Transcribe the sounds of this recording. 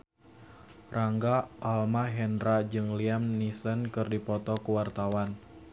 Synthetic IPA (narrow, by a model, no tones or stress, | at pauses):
raŋɡaʔalmaɦɛnɾad͡ʒɨŋliamnisənkɨrdipɔt̪ɔkuwart̪awan